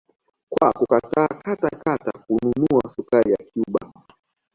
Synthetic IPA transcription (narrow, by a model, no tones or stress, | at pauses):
kwakukataːkatakatakununuasukaɾijakiuɓa̰